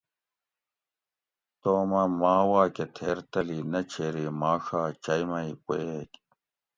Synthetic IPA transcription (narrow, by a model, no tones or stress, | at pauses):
t̪oːmɐmaːwaːket̪ʰeːɾt̪ɐlinɐt͡ɕʰeːɾimaːʂaːt͡ɕɐjmɐipoeːk